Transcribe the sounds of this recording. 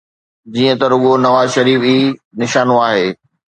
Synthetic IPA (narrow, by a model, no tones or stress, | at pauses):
d͡ʑiːə̃t̪ɐɾʊɦonɐʋaːzʃɐɾiːfiːnɪʃaːnoaːɦeː